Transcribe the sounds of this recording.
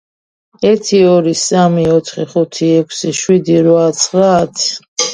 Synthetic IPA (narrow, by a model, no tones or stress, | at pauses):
ɛɾt̪ʰiɔɾisamiɔt̪ʰχiχut̪ʰiɛkʰsiʃwid̪iɾvat̪sʰχɾaːt̪ʰ